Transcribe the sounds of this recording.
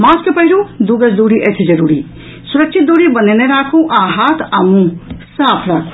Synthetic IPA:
mãːskepəɦilud̪uɡəsd̪uɾiʔət͡ʃʰid͡ʒəɾuːɾi | suɾək̚ʃʰit̪̚d̪uɾibəneneɾaːkʰũʔaːɦat̪ʰamũsaːpʰɾaːkʰũ̥

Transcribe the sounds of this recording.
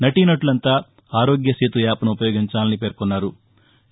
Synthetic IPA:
nɐʈinɐʈulɐnt̪aː | aːɾo̞ːɡjɐseːt̪uʋjaːpɐnuupɐjo̞ːɡiɲt͡ʃaːlɐnipeːɾkɔnːaːɾu

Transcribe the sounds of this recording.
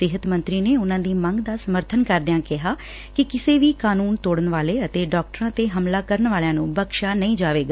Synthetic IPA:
ɪɦət̪mənt̪ɾiːneːʊnãːd̪iːməŋɡd̪aːsəməɾt̪ʰənkəɾd̪ɪjãːkɪɦaː | kɪkɪseːʋiːkaːnuːnt̪oːɽənʋaːleːət̪eːɖɔːk̚ʈəɾãːt̪eːɦəmlaːkəɾənʋaːlejãːnũːbəkʃaːnəĩːd͡ʒaːʋeːɡaː

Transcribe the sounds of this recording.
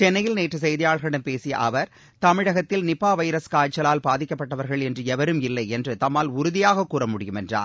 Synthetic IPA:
t͡ʃɛnːɐjɪlneːʈrɯs̬ɛjðɪjaːɭɣɐɪɽɐmpeːsɪjɐ̰ʔɐʋɐɾ | t̪ɐmɪɽɐɣɐt̪ːɪlnɪpːaːʋɐjɾɐskaːt͡ʃːɐlaːlbaːðɪkʲːɐpːɐʈːɐʋɐɾɣɐɭɛndrɯɛʋɐɾɯmɪlːɐɪɛndrɯt̪ɐmːaːlʊɾʊðɪjaːɣɐkːuːrɐmʊɽɪjɯmɛndra̰ːn

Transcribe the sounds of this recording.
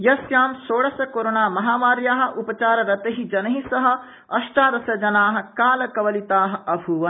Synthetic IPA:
jɐsjaːmsoːɽɐsɐkoːɾoːnaːmɐɦaːʋaːɾjaːɦɐ̆ʔupɐt͡ʃaːɾɐɾɐt̪ɐɦid͡ʒɐnɐɦisɐɦɐ̆ | ɐʃʈaːd̪ɐsɐd͡ʒɐnaːɦɐ̆kaːlɐkɐʋɐlit̪aːɦɐ̆ʔɐbʱuʋɐn

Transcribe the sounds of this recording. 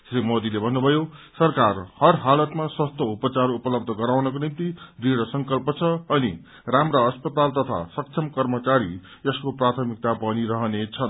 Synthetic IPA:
srimod̪ilebʱʌnːubʱʌjosʌrkarhʌrɦalʌt̪maswʌst̪oupʌt͡sarupʌlʌb̚d̪ʱʌɡʌɾawnʌkonimt̪idiɽʌsʌŋkʌlpʌt͡sʰʌːni | ramrʌʌspʌt̪alt̪ʌt̪ʰa̰sʌk̚t͡sʰʌmkʌrmʌt͡saɾi | ʌskoprat̪ʰʌmik̚t̪apʌniɾʌɦʌnet͡sʰʌn

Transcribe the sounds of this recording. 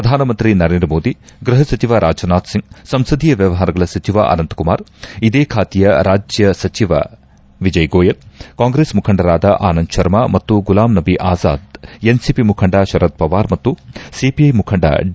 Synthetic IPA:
pɾɐd̪ʱaːnɐmɐnt̪ɾinɐɾeːnd̪ɾɐmoːd̪iɡɾɐɦɐsɐt͡ʃiʋaːɾʔaːd͡ʒɐnaːt̪siŋɡsɐmsɐd̪ʱiːjɐʋjɐʋɐɦaːɾɐɡɐɭɐsɐt͡ʃiʋa̰ʔɐ̰nɐnt̪kuma̰ːɾid̪eːkʰaːt̪ijɐɾaːd͡ʒjɐsɐt͡ʃiʋa̰ | ʋid͡ʒɐjɡoːjɐlkaːŋɡɾeːsmukʰɐɳɖɐɾaːd̪ɐʔaːnɐnd̪ʃɐɾmamɐt̪ːuɡulaːmnɐbiʔaːza̰ːd̪ensipimukʰɐɳɖaːʃɐɾɐt̪̚pɐʋaːɾmɐt̪ːusipiɐjmukʰɐɳɖa̰ː

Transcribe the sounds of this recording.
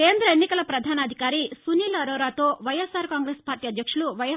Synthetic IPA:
ke̞ːnd̪ɾɐenːikɐlɐpɾɐd̪ʱaːnɐd̪ʱikaːɾisuniːlɐɾoːɾaːt̪o̞ːʋɐjesaːɾkaːŋɡɾeːspaːɾʈiːɐd̪ʱjɐkʂuluʋɐj

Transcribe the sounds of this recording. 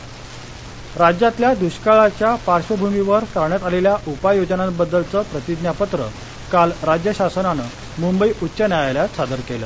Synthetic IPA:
ɾad͡ʑjat̪ljad̪uɕkaɭat͡ɕjapaɾɕəbʱumiʋəɾt̪aɾɳjat̪aleljaʔupajod͡znãbəd̪ːəlt͡səpɾət̪id̪njapət̪ɾə | kalɾad͡ʑjəɕasənanə | mumbəiːʔutːɕənjajaljasʰad̪əɾkelə

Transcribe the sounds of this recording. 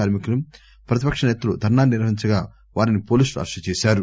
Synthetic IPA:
aːɾmikulum | pɾɐt̪̬ipɐkʂɐnɛːt̪ɐlud̪ʱɐɾnaːnniɾʋɐɦiɲt͡ʃɐɡaː | ʋaːɾinipoːlisluɐ̰ɾʂɐt͡ʃeːʃaːɾu

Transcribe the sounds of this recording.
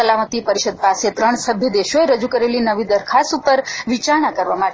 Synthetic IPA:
əlamət̪ipəɾiʃəd̪̚paset̪ɾəɳ̃səbʱjəd̪eʃoeɾəd͡ʒukəɾelinəʋid̪əɾkʰasupəɾʋit͡ʃaɳ̃akəɾʋama

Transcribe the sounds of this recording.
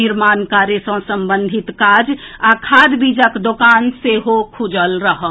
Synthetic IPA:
ɪɾmaːnkaːɾjesə̃səmbənd̪ʱit̪kad͡ʒakʰaːd̪bid͡ʒəkd̪okaːnseɦokʰud͡ʒəlɾəɦə

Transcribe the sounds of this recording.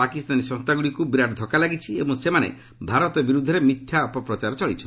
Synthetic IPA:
pakist̪anisɔ̃st̪aɡuɽikubiɾaʈd̪ʱɔkalaɡit͡ʃʰiebɔŋsemanḛ | bʱaɾɔt̪ɔbiɾud̪ʱːɔɾemit̪ʰːjaɔpɔpɾɔt͡ʃaɾɔt͡ʃɔɭit͡ʃʰɔn

